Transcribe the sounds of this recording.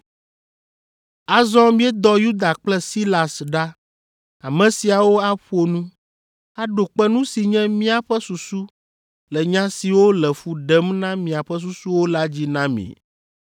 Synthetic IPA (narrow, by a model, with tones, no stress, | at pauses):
a˨zɔ̃˦mĩ˦ɛ˦d̪ɔ˦ju˦d̪a˨k͡plɛ˦si˦la˨sɖa˦ | a˨mɛ̃˨si˨a˨wo˦a˦ɸo˦nũ˦ | a˦ɖo˨k͡pɛ˦nũ˦si˨ɲɛ̃˦mĩ˦a˨ɸɛ˦su˨su˦ | lɛ˨ɲã˦si˨wo˦lɛ˨ɸu˨ɖɛ˦mnã˦mĩ˨a˨ɸɛ˦s̬u˦su˦wo˦la˦d͡ʑi˦nã˦mḭ̃˨